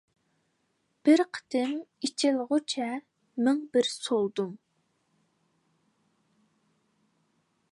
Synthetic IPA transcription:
b̥ɪɾqʰə̥t̪ʰɪmit͡ʃʰɪlʁʊt͡ʃʰɛ | mɪŋbɪɾsolˠd̪um

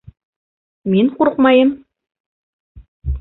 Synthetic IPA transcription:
minquɾqmɑjɤm

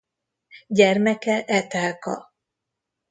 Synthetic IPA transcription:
ɟɛrmɛkɛʔɛt̪aːlkɒ̰

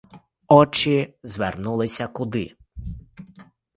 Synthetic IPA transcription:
ɔt͡ʃɪzʋernulˠɪsʲɐkʊd̪ɪ̰

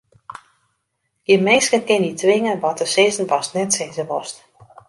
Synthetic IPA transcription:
ɡəmɪnskənkɪnitʰʋɪŋənʋɔtəsɪːzən̩pɔstnɛtseːzəʋɔst

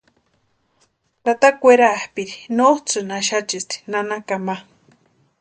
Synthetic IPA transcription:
ɾat̪akʷeɾahpiɾinot͡sɨnaʃat͡ʃist̪i̥nanakama

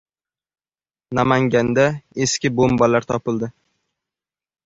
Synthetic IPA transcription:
namaŋɡʲand̪aeskʲɪbombɒlaɾt̪ʰɒpɪld̪ɪ

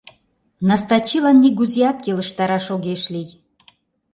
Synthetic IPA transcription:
nɑst̪ɑt͡ɕilɑnːiɡuzʲijɑt̪̚keləʃt̪ɑɾɑʃoɣeʃlʲij

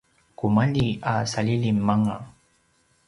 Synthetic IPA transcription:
kumaʎiasaʎiʎimːaŋa

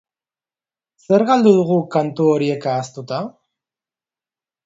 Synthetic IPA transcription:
se̞ɾɣald̪uð̞uɣ̞ukant̪uoɾie̞kaːst̪ut̪a

